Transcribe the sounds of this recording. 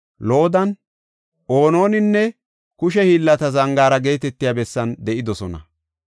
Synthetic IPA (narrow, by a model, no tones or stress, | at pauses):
lo̞ːd̪ɐn | ʔo̞ːno̞ːnɪnːɛ | kʊʃɛhiːlːɐt̪ɐzɐŋɡaːɾɐɡe̞ːt̪ɛt̪ːɪjaːbɛsːɐnd̪ɛʔɪd̪ɔsɔnɐ̰